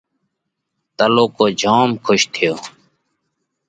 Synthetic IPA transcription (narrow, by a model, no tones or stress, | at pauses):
t̪əloːkoːd͡ʒʱoːmkʰʊʃt̪ʰɪjoː